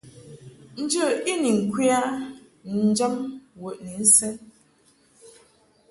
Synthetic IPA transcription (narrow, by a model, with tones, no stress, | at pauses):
n̩˦d͡ʒə˦˨i˦ni˨ŋ̩˨kwi˦a˦ | n̩˨˦d͡ʒa˦mwə˨ʔni˨n̩˦sɛ˦n